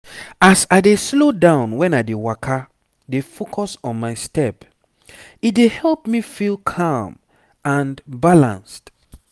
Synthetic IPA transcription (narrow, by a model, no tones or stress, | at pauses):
asaɪdeslodãʊ̃nwɛ̃naɪdewakʰa | defokʰɔsɔ̃nmaɪstɛp | it̚dehɛlpmifilˠkʰam | ãnbalã̰nst